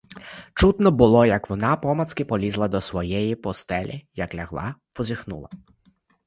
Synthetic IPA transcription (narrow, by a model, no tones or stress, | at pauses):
t͡ʃut̪nɔbʊlˠɔjɐkʋɔnɑpɔmɐt̪skɪpɔlʲizlˠɐd̪ɔsʋɔjɛjipɔst̪ɛlʲijɐklʲɐɦlˠɑ̰pɔzʲixnṵlˠɐ̰